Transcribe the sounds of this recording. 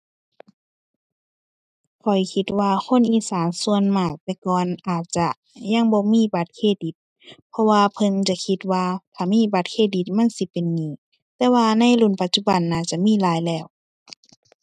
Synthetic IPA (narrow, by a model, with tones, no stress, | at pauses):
kʰɔ˨˩jkʰi˧t̪̚waː˧kʰo˧˥˨nʔiː˧˩saː˨˦nsu˧ənmaː˧˩k̚t̪ɛː˧kɔː˨nʔaː˨˩t̪̚t͡ɕa˧ | ja˧˥˨ŋbɔː˧˦miː˧˥˨ba˧˦t̪̚kʰeː˧˩di˨˦t̪̚ | pʰɔ˧waː˧pʰɤ˧nt͡ɕa˧˨kʰi˧t̪̚waː˧t̪ʰaː˧˩miː˧˥˨ba˧˦t̪̚kʰeː˧t̪̚di˧˦t̪̚ma˧˥˨nsi˧˦pe˨nːiː˧˩˨ | t̪ɛː˧waː˧na˧˥˨jlu˧˩˨npa˧˦t̪̚t͡ɕu˧˩ba˨nːaː˧˩t̪̚t͡ɕa˧˨miː˧˥˨laː˨˦jlɛː˧˩˨w